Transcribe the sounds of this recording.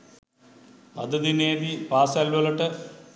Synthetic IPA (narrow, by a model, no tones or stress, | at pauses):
ɐ̰d̪ɐd̪ineːɖipaːsaːlʋɐlɐʈːɐ